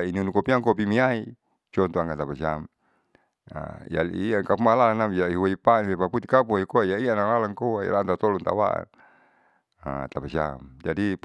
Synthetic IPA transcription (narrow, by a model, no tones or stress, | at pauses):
inunukopiaŋkop̬imiai | t͡ʃɔnt̪uaŋɡat̪apasiam | a̰ḭja̰liaŋkapumalalanamjaiɦuaipanpepaput̪ikapuikoajaianalalaŋkowaḭlant̪at̪ɔlɔnt̪a̰wa̰ʔa̰n | a̰t̪apasia̰md͡ʒadi